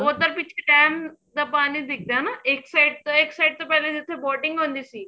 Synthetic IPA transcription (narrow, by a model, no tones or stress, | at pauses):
oːt̪əɾpɪt͡ʃʰeʈɛːmd̪aːpaːnid̪ɪk̚ʰd̪aːnaʔeksajɖ̚t̪oeksɐjɖ̚t̪opɛled͡ʒɪt̪ʰːeboːʈɪ̃ŋɡɦõːnd̪iːsi